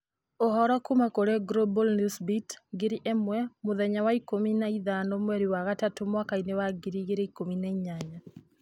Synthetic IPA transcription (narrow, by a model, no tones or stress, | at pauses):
ɔhɔɾɔkumakoɾeɡɾobɔlnusbitɡɪɾiʔɛmwɛmʊðɛɲawaikominaiðanɔmwɛɾiwaɣatatomwakainewaɡiɾiɡeɾeikominaiɲaɲa